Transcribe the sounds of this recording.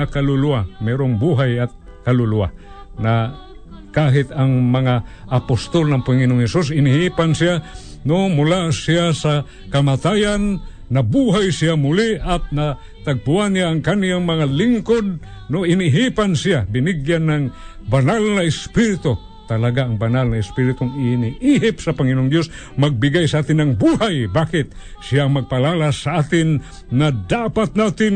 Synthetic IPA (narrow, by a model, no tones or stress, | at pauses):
akalʊluamɛːɾoŋbuɦajɐt̪̚ | kɐlʊlua̰ | na | kaːɦɪt̪ɐŋmɐŋaʔːpost̪olnɐŋpʊŋɪnoŋhɛsus̬ɪnɪhiːpansɪja | nomʊlasiasa | kɐmat̪ajanː | ɐbuːɦajsɪamʊliʔɐt̪̚na | t̪ɐɡ̚puanːjaːŋkaniaŋmɐŋalɪŋkod̪̚ | noʔɪnɪɦipansɪjabɪnɪɡjanːaŋ | banalnɐɪspiɾɪt̪o | t̪ɐlaɡaːŋbanalnɐɪspiɾɪt̪oŋɪniiɦɪpsɐpɐŋɪnʊŋd̪jos | mɐɡ̚bɪɡajsaʔaːt̪ɪnɐŋbuhajbaːkɪt̪̚ | sɪjaŋmɐɡ̚pɐlaːlasaaːt̪ɪnː | ɐd̪apat̪̚naːt̪ɪn